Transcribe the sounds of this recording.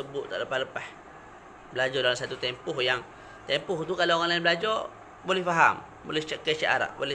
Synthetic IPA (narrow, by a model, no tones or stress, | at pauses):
səbʊʔt̪a̰ʔləpahləpah | bəlad͡ʒɔdalamsat̪ut̪empʊhjaŋ | t̪empʊht̪ukalooŋanlaɪnbəlad͡ʒɔr | bolɛhfaɦa̰m | bo̰lɛt͡ʃəkəʔt͡ʃa̰ʔa̰ɾa̰ʔbo̰lɛ